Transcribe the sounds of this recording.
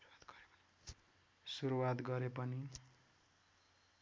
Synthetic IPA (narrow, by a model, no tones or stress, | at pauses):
at̪ɡ̥ʌɾepʌni | suɾuwat̪ɡʌɾepʌni